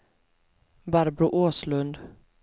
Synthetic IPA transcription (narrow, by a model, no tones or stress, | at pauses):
baɾbɾʊʔoːslɵnd̪